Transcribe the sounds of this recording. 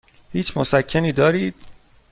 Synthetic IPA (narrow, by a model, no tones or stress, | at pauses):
hiːt͡ʃʰmosækʰːeniːd̪ɒːɾiːd̪̥̚